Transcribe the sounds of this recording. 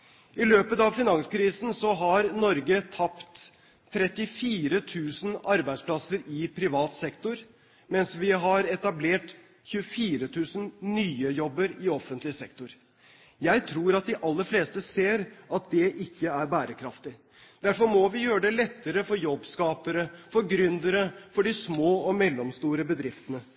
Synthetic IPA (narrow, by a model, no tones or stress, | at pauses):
ʔɪløːpət̪ɑʋfɪnɑŋskʰɾiːsn̩sɔɦɑɾnɔɾɡət̪ʰɑpt̪ʰː | ɾɛt̪ːɪfiːɾət̪ʰʉːsn̩ɑɾbæɪsplɑsəɾɪpʰɾɪʋɑːt̪sɛkt̪ʊɾ | mɛnsʋɪɦɑɾɛt̪ɑbleːʈ | çʉəfiːɾət̪ʰʉːsən̩nyːəjɔbːəɾɪɔfənt̪lɪsɛkt̪ʊɾ | jæɪt̪ʰɾuːɾɑt̪̚d̪ɪʔɑlːəɾfleːst̪əseːɾʔɑt̪̚d̪ɛʔɪkːəæɾbæːɾəkʰɾɑft̪ɪ | d̪̥æɾfɔɾmɔʋɪjøːɾəɖ̪ɛlɛt̪ːəɾəfɔɾjɔbːskɑːpəɾəfɔɾɡɾʏnd̪əɾəfɔɖɪsmoːɔmɛlːɔmst̪uːɾəbəd̪ɾɪft̪ənə